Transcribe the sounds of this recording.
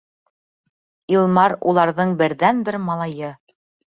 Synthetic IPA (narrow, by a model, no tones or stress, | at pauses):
ilˠmɑɾulˠɑɾðɤɴbɘ̆ɾðænbɘɾmɑlˠɑjɤ